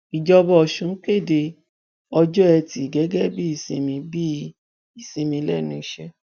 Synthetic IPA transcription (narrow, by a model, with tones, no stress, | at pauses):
i˨d͡ʒɔ˧bɔ˧ɔ˨ʃũ˨˦ke˦˨de˧ | ɔ˧d͡ʒɔ˦ɛ˧ti˨ɡɛ˨˦ɡɛ˦bi˦i˧˨sĩ˧mĩ˧bi˦ | i˦˨sĩ˧mĩ˧˦lɛ˦˨nũ˧i˧ʃɛ˧